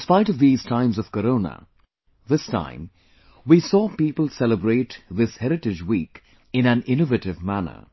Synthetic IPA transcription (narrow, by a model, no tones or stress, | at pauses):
spaɪɾʌvðiz̥tʰãɪ̃mzʌv̥kəɾõʊnə̰ | ðɪstʰã̰ɪ̃m | wisɔːpipəl̩ˠsɛlˠəbɹeɪtðɪshɛɾɨʈɨd͡ʒwiːk | ɨ̃næ̃nɪ̃nɨvɨɾɨvmænə̰˞